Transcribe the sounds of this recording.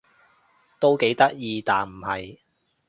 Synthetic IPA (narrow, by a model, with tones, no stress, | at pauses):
t̪o˥wke˨˥jt̪ɐ˥k̚jiː˧t̪aː˨nm̩˨˩hɐ˨j